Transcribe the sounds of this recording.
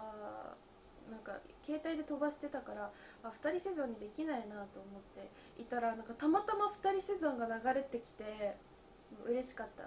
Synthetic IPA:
a | nãŋka̰ | ke̞ːt̪aid̪e̞t̪o̞baɕi̥t̪e̞t̪akaɾaː | ɸɯ̟̥t̪aɾʲise̞zõɲ̟ːid̪e̞kʲinainat̪o̞ːmo̞t̪ːe̞ | it̪aɾanãŋkat̪amat̪amaɸɯ̟̥t̪aɾʲise̞zõ̞ŋɡanaɡaɾe̞t̪ːe̞kʲi̥t̪e̞ | ɯ̟ɾe̞ɕi̥kat̪ːa̰

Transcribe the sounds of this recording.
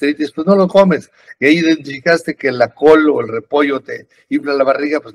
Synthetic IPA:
eit̪espwezno̞loko̞me̞s | iaiiðe̞nt̪ifikast̪e̞kelako̞loelre̞po̞ʝo̞t̪e | implalaβariɣapwez

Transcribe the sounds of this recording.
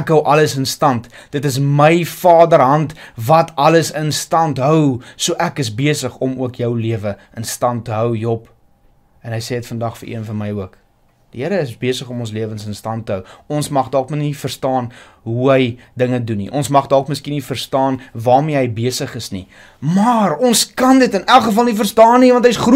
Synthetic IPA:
ækɦəwʔɐləsənstɐntd̥ətəs̬məjfɑːdəɾɦɐntvɐtʰɐləsənstɐntɦœwsuəʔækəsbeəsəχɔmuəkjœwliəvə | ənstɐntːəɦœwjɔp | ɛnɦəjsɛːətfəndɐχfəɾʔḭənfɐnməjuək | d̥iɦəɾəəsbiəsəχɔmɔns̬liəvənsənstɐntəɦœwɔnsmɐχdɔlkmənnifərstɑːn | ɦuɦəjdəŋədunḭʔɔnsmɐχdɔlˠkməskinifərstɑːnvɑːrmiəɦəjbiəsəχəsnḭ | mɑrɔnskɐndətənælˠχəfɐlˠnifərstɑːnːivɐntɦəjsχru

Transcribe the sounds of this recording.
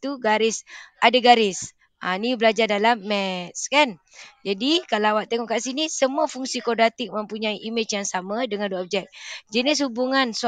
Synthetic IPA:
t̪uɡaɾɪsʔadaɡaɾɪs | ʔanibəlad͡ʒardalamːɛt̪̚skɛn | d͡ʒadikalawaʔt̪eŋɔʔkaʔsinisəmuafuŋsikɔdat̪ɪk̚mə̃mpuɲaiʔimɪt͡ʃjaŋsamadəŋanduaɔp̚d͡ʒɛk̚d͡ʒənis̬hubuŋãns

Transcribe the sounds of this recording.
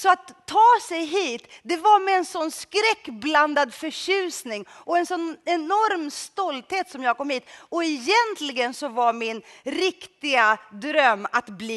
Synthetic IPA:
sɔat̪ʰːɑːsɛjɦiːt̪d̪ɛvaɾmɛːnsɔnːskɾɛkːbland̪ad̪fœɕʉ̟ːsnɪŋɔɛnsɔnːɛnɔɾmst̪ɔlt̪heːt̪sɔmjɑːɡ̚kʰɔmhiːt̪ɔɛjɛnt̪lɪɡənsɔvaɾmɪnɾɪkt̪ɪɡad̪ɾœmːat̪bliː

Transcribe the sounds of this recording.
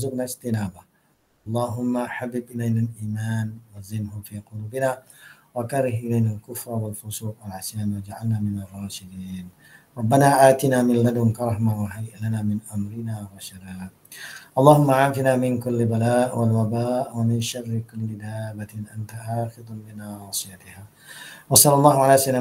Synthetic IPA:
ʊzʊbnaɪst̪ɪnaːba | ʔɑlˤːɑːɦʊmːaħabːɪbʔɪlajnalʔiːmaːnwazɪmɦʊfiːqʊluːbɪnaːwakaɾɪɦʔɪlajnalkʊfɾˤwalfʊsˤuːqwalʕasjaːnwad͡ʒaʕalnaːmɪnɑrˤːɑːʃɪd̪iːn | ɾˤɑbːanaːʔaːt̪ɪnaːmɪnlad̪ɪnkɑɾˤɑħmawaɦajʔlanaːmɪnʔamɾɪnaːwaʃaɾaːd | ʔɑlˤːɑːhʊmːaʕaːfɪnaːmɪnkʊlːɪbalaːʔwalwabaːʔwamɪnʃarːɪkʊlːɪd̪aːbaʔant̪aʔaːxɪd̪ˤbɪnaːɑːsˤɨjat̪ɪhaː | wɑsˤɑlːɑlˤːɑːhʊʕalaːsana

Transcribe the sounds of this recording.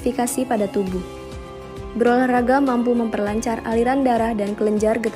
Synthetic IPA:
fikasipadat̪ubuh | bəɾolahraɡamampuməmpərlaɲt͡ʃaraliɾandaɾahdankələɲd͡ʒarɡət̪

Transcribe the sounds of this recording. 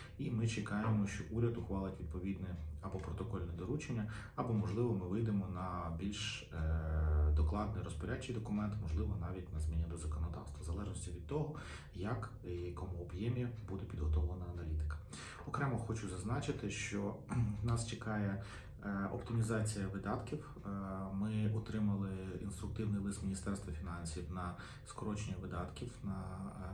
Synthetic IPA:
imɪt͡ʃɪkɑjemɔʃt͡ʃɔʔuɾʲɐd̪ʊxʋɑlˠɪtʲʋʲid̪̚pɔʋʲid̪nɪɐbɔpɾɔt̪ɔkɔlʲnɛd̪ɔɾut͡ʃenʲːɐ | ɐbɔmɔʒlˠɪʋɔmɪʋɪjd̪emɔnɐbʲilʲʃ | d̪ɔklˠɑd̪nɔjɾɔspɔɾʲḁt͡ʃɪjd̪ɔkʊmɛnt̪mɔʒlˠɪʋɔnɑʋʲit̚ʲnɐzmʲinʲid̪ɔzɐkɔnɔd̪ɑ̰wst̪ʋɐzɐlˠɛʒnɔsʲtʲiʋʲid̪̚t̪ɔɦɔ | jɐk | jɐkɔmuɔbjɛmʲijɐbud̪ɛpʲid̪ɦɔt̪ɔʋʋɐnɐːnɐlʲit̪ɪ̥kɐ̥ | ɔkɾɛmɐxɔt͡ʃuzɐznɑt͡ʃɪt̪ɪʃt͡ʃɔnɑst͡ʃɪkɑjɛ | ɔ̰pt̪ɪmʲizɑt͡sʲijɐʋɪd̪ɑt̪kʲiw | mɪɔt̪ɾɪmɐlˠɪḭnst̪ɾʊk̚t̪ɪwnɪjlˠɪsmʲinʲist̪ɛrst̪ʋɐfʲinɑnʲsʲiwnɐ | skɔɾɔt͡ʃnʲʋɪd̪ɑt̪kʲiwnɐ

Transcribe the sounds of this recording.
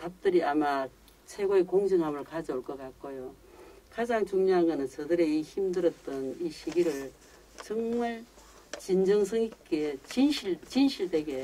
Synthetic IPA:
tap̚t͈ɯɾiama | t͡ɕʰe̞ɡoekoŋd͡ʑɯŋɦamɯɭkad͡ʑioɭk͈ʌkak̚k͈ojo | kad͡ʑaŋt͡ɕuŋɲoɦaŋɡʌnɯnt͡ɕʌdɯɾeiçimdɯɾʌt̚t͈ʌniɕʰiɡiɾɯɭ | t͡ɕʌŋmaɭ | t͡ɕind͡ʑʌŋs̬ʰɯŋik͈et͡ɕinɕʰiɭt͡ɕinɕʰiɭde̞ɡe̞

